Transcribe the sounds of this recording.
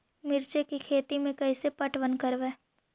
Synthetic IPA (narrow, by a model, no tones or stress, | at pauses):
mɪɾt͡ʃekikʰeːt̪imẽkɐisepɐʈʋənkəɾʋeː